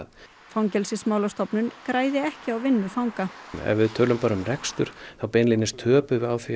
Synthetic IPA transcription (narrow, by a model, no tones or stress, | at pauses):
ð | fawŋcɛlsɪsmaːwlast̪ɔpnʏnkɾaːjðɪɛhcɪawvɪnːʏfawŋkaɛ̰vɪðt̪ʰœːlʏmpaːɾʏmrɛkst̪ʏɾ̥θawpejnlinɪst̪ʰœːpʏawθi